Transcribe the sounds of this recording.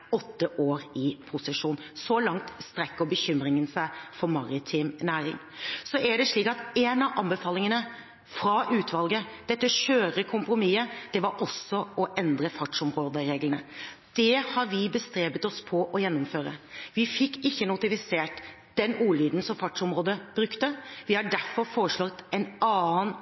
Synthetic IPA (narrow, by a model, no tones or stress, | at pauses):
ɔt̪ːəʔoːɾɪpʰʊsəʂuːnsɔlɑŋt̪st̪ɾɛkːəɾbəçʏmɾɪŋənsæɪfɔɾmɑɾɪt̪ʰɪmnæːɾɪ̰ŋ | sɔʔæɖɛʂɭiːkɑt̪ɛnɑʋʔɑnbəfɑːlɪŋənə | fɾɑʔʉːt̪ʰʋɑlɡəd̪̥ɛt̪ːəçøːɾəkʰʊmpɾʊmiːəd̪̥ɛʋɑɾʔɔsɔɔʔɛnd̪ɾəfɑʈʂɔmɾoːd̪əɾeːɡlənə | d̪̥ɛhɑɾʋɪbəst̪ɾeːbət̪ɔspʰɔʔɔjɛnːɔmføːɾə̰ʋɪfɪkːɪçːənʊt̪ɪfɪseːʈ | d̪̥ɛnuːliːd̪n̩sɔmfɑʈʂɔmɾoːd̪əb̥ɾʉkt̪əʋɪhɑɖæɾfɔɾfoːɾəʂɭɔt̪ːɛnɑːn